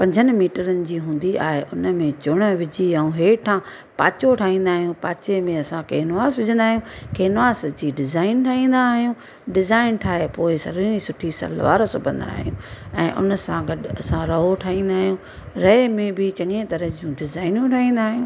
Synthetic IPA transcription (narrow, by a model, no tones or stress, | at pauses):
pɐ̃ɲd͡ʑʱənɪ̆miːʈəɾənɪ̆d͡ʑiːɦũːn̆d̪ia̰ːɦeʔʊnmẽt͡ɕʊɽ̃ə̆ʋɪd͡ʑiɐũɦeːʈʰã | paːt͡ɕoʈʰaːɦĩːnd̪aːɦijũpaːt͡ɕemẽɐsãkeːnʋaːsʋʊd͡ʑə̃nd̪aːɦijũːkeːnʋaːsd͡ʑiːɖɪzaːɪnʈʰaːɦĩːnd̪aɦijũ | ɖɪzaːɪnʈʰaːɦepoːɪsɐ̰lĩĩsʊʈʰisɐ̰lʋa̰ːɾsʊbʱə̃nd̪a̰ːɦijũːɛ̰̃ːʔʊ̰nəsãɡɐɖɐsãɾɐɦoʈʰaːɦĩːnd̪aːɦijũ | ɾɐemẽbɪt͡ɕɐ̃ŋɡẽt̪ɐɾəd͡ʑijũɖɪzaːɪnjũʈʰaːɦĩːnd̪aːɦijũː